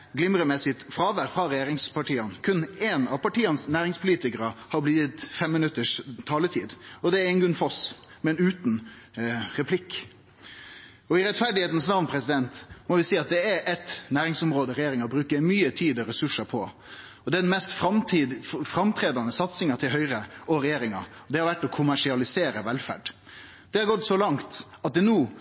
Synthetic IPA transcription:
ɡlɪmɾəmɛsɪt̪fɾɑːʋæɾfɾɑɾɛjeːɾɪŋspɑʈiːɑnkʰʉnːeːnɑʋpɑʈiːɑnsnæːɾɪŋspʰʊliːt̪ɪkəɾɑhɑɾblɪːd̪ət̪fɛmmɪnʉt̪ːəʂt̪ʰɑːlət̪ʰḭːd̪ɔd̪ɛæɾɛnɡʉnfɔs | mɛɛnʉːt̪n | ɾɛpʰlɪkː | ɔɪɾɛt̪fæɾɖɪheːt̪n̩snɑʋnpʰɾɛsɪd̪ɛnt̪mɔʋɪsiːɑt̪̚d̪ɛæʔɛt̪næːɾɪŋsɔmɾoːd̪əɾɛjeːɾɪŋɑbɾʉːkəɾmyːət̪ʰiːd̪ɔɾɛsʉʂɑpʰɔ | ɔd̪ɛɖɛnmɛst̪fɾɑmt̪ːfɾɑmt̪ʰɾeːd̪ɑnəsɑt̪sɪŋɑt̪ʰɪlɦœʏɾəɔɾɛjeːɾɪŋɑ̰ɔd̪ɛhɑɾʋæʈːɔkʰʊmæʂɪɑlɪseːɾəʋɛlfæ̰ɖ | d̪̥ɛhɑɾɡɔt̪ːsɔlɑŋt̪ɑt̪̚d̪ɛnuː

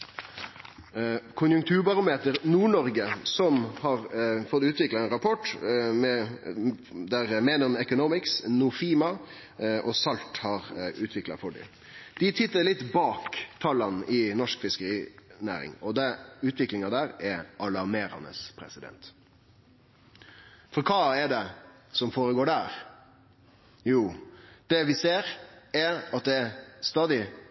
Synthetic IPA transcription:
kʰʊnjʉŋk̚t̪ʰʉːɾbɑɾʊmeːt̪əɾnuːɳɔɾɡəsɔmhɑːɾfɔt̪ːʉːt̪ʋɪklɑɛnɾɑpʰɔʈmɛ | d̪æɾmeːnəɾɔmɛkʊnɔmɪksnʊfiːmɑ | ʔɔsɑlt̪hɑɾʉːt̪ʰʋɪklɑ̰fɔɖɪ̰ | d̪̥ɪt̪ʰɪt̪ːəlɪt̪ːbɑːkt̪ʰɑlːɑnʔɪnɔʂkfɪskəɾiːnæ̰ːɾɪ̰ŋɔd̪ɛʉːt̪ʰʋɪklɪŋɑd̪æːɾɛʔɑlɑɾmeːɾɑ̰nə̰spʰɾɛ̰sɪd̪ɛ̰nt̪ | fɔɾkʰɑːɛɖɛ | sɔmfoːɾəɡoːɖæːɾ | juːd̪̥ɛʋɪseːɾɛɾɑt̪̚d̪ɛɛst̪ɑːd̪ɪ

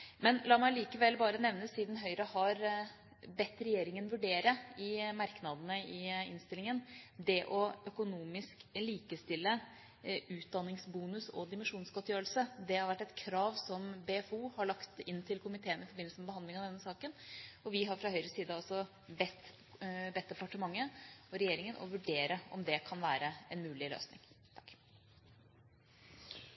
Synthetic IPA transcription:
mɛnlɑːmæɪliːkəʋɛlbɑːɾənɛʋnəsiːd̪nɦœʏɾəhɑɾ | bɛt̪ːɾɛjeːɾɪŋənʋʉɖeːɾəɪmɑɾknɑd̪ənəɪɪ̰nst̪ɪlɪŋənd̪ɛʔɔœkʊnuːmɪskliːkəst̪ɪlːə | ʉːt̪̚d̪ɑnːɪŋsbuːnʉsɔ̰d̪ɪmənʂuːnsɡɔt̪ːjøːɾəlsəd̪ɛhɑɾʋæʈːɛt̪kʰɾɑːʋsɔmbeːfuːhɑɭɑkt̪ɪnːt̪ʰɪlkʰʊmɪt̪ʰeːənəɪfɔɾbɪnl̩səmɛbəhɑnd̪lɪŋɑʋd̪ɛnːəsɑːkənɔʋɪɦɑɾfɾɑhœʏɾəsiːd̪əɔlsɔ | bɛt̪ː | bɛt̪ːɛpɑʈəmɑŋːəɔɾɛjeːɾɪŋənʔɔ̰ʋʉɖeːɾəɔ̰md̪ɛkʰɑnʋæːɾəɛnmʉːlɪlø̰ːsnɪ̰ŋt̪ʰɑ̥k

